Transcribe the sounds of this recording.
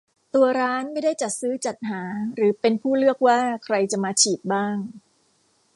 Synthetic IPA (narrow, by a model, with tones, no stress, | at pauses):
t̪u˧ɐɾaː˦˥nma˥˩jdaː˥˩jt͡ɕa˨˩t̪̚sɯː˦˥t͡ɕa˨˩t̪̚ɦaː˩˦ɾɯː˩˦pe˧npʰuː˥˩lɯ˥˩ək̚waː˥˩kʰɾa˧jt͡ɕa˨˩maː˧t͡ɕʰiː˨˩t̪̚baː˥˩ŋ